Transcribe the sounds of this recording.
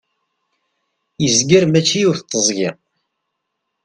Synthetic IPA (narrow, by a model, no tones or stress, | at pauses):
jəzɡəɾmæt͡ʃːijuθt̪ˤːəzˤʝɪʁ